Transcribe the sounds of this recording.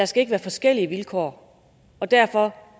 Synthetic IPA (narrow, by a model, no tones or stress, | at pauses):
æɐsɡ̥æe̝ɡ̥ʋæːɐfɒ̽sɡ̥el̰iəʋilkʰɒ̰ː | ɒ̽d̥æɐ̰fɒ̽